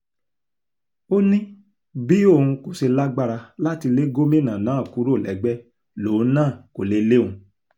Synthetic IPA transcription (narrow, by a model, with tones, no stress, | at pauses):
o˦nĩ˦ | bi˨˦o˦˨hũ˧ko˨ʃe˧la˦ɡ͡ba˦ɾa˧la˦ti˧le˦ɡo˦mẽ˦˨nã˨nãː˨˦˨ku˨˦ɾo˦˨lɛ˨˦ɡ͡bɛ˦ | loː˨˦nãː˦˨ko˨le˨˦˧le˦˨ũ˧